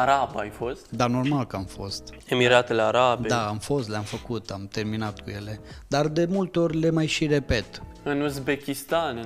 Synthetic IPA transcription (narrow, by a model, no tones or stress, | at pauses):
aɾabajfo̞st̪d̪ano̞rmalkəamfo̞̰st̪ | emiɾat̪eleaɾabed̪aamfo̞st̪leamfəkut̪amt̪e̞rminat̪kuje̞le̞d̪ard̪e̞mult̪eo̞rʲle̞majʃire̞pe̞t̪ | ɨnuzbekʲist̪an